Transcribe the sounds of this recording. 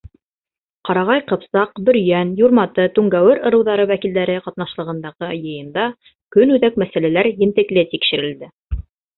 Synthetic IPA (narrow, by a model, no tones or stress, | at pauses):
qɑɾɑʁɑjqɤ̆psɑqbɵ̆ɾjænjuɾmɑt̪ɤt̪ʉŋɡæwɘɾɤ̆ɾɤ̆wðɑɾɤwækild̪æɾɘqɑt̪nɑʃlˠɤ̆ʁɤ̆nd̪ɑʁɤjɤ̆jɤ̆nd̪ɑ | kɵnʉðæk̚mæsælælæɾjɘ̆nt̪ɘ̆klɘt̪ikʃɘ̆ɾɘ̆ld̪ɘ